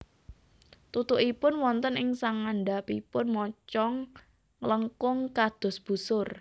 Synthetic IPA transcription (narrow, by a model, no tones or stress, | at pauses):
t̪ut̪ʊʔipʊnwɔnt̪ənɪŋsaŋaɳɖapipʊnmɔt͡ʃɔŋ | ləŋkʊŋkad̪̥ɔ̤sb̥usʊr